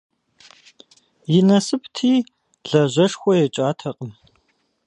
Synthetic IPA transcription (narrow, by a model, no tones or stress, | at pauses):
jɪnɐsɨp̚ʰtʰiː | ɮɐʑʷɐʂxʷɔjɛt͡ʃʼaːtʰɐqʼəm